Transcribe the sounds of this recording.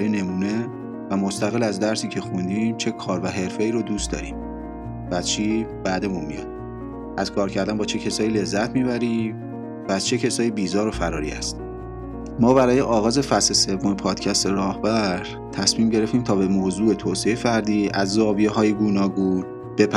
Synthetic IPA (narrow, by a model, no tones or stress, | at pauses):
jene̞muːne̞ | væmost̪æɣe̞læzd̪æɾsiːcʰe̞xund̪iːmt͡ʃʰe̞kʰɒːɾvæɦe̞ɾfe̞iːɾod̪uːst̪d̪ɒ̰ːɾḭːm | vææzt͡ʃʰiːb̥æːd̪e̞munmijɒ̰d̪̥ | ʔæz̥kʰɒːɾcʰæɾd̪ænbɒːt͡ʃʰe̞cʰe̞sɒːjiːle̞zːæt̪ʰmiβæɾiːm | væːz̥t͡ʃʰe̞cʰe̞sɒːjibiːzɒːɾo̞fæɾɒːɾḭæ̰st̪ | mɒːβæɾɒːje̞ʔɒːɣɒːze̞fæslese̞vːomepʰɒːd̪̥cʰæst̪eɾɒːhbæɾ | t̪ʰæsmiːmɟe̞ɾe̞ft̪iːmt̪ʰɒːbe̞moːzuːe̞t̪ʰoːsejefæɾd̪iːʔæzːɒːbijeɦɒːjeɡuːnɒːɡun | b̥epʰ